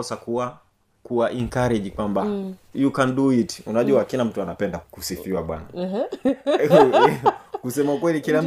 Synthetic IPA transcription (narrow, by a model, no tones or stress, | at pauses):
ɔsakuwa | kuwaʔiŋkaɾiʄikwambajukanduiti̥unaʄuakilam̩tuanapɛndakusifiwaɓwa̰na | kusɛmaukwɛlikilam̩